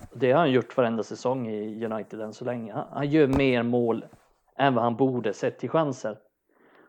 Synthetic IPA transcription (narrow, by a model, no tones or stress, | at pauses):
d̪ɛhaɾanjʊʈːvaɾɛnd̪asɛsɔŋːɪjɵnajt̪ɪd̪ɛnsɔlɛŋːəha̰hanjøːɾmeːɾmoːl | ʔɛnvahanbuːɖəsɛt̪ʰːɪlɧansəɾ